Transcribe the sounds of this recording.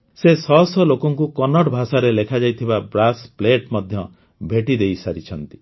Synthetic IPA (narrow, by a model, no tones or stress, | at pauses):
sesɔɦsɔlokɔŋkukɔnɔʈbʱasaɾelekʰad͡ʒajt̪ʰibabɾaspleʈmɔd̪ʱjɔ | bʱeʈid̪ejsaɾit͡ʃʰɔnt̪i̥